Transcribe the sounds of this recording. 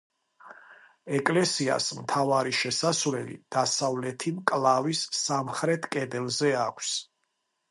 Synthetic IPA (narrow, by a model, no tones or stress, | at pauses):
ɛkʼlɛsia̰smt̪ʰavaɾiʃɛsasvlɛlḭd̪̥asavlɛt̪ʰimkʼlˠavisːamχɾɛt̪ʰkʼɛd̪ɛlˠzɛakʷʰs